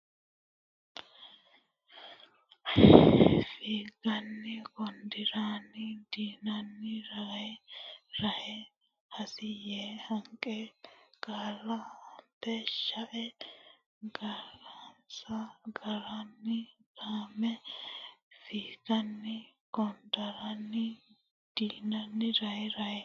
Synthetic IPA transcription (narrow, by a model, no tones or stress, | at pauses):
fiːɡɐnːɪkɔnd̪ɪɾaːnɪd̪iːnɐnːɪɾɐhɛɾɐhɛ | hɐsɪjehɐŋkʼɛɡ̥aːlːɐmpːɛʃɐʔɛ | ɡɐɾɐnsɐɡɐɾɐnːɪɡ̥aːmɛ | fiːɡ̥ɐnːɪ | ɡɔnd̪ɐɾɐnːɪ | d̪̥iːnɐnːɪɾɐɛɾɐɛ